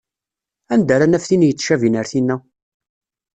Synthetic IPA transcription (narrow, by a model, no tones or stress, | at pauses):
ænd̪æɾænæfθinjət͡sːʃævinəɾθinːæ